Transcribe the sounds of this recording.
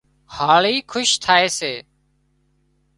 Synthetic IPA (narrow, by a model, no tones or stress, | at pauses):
haːɭiːkʰʊʃt̪ʰaːeːseː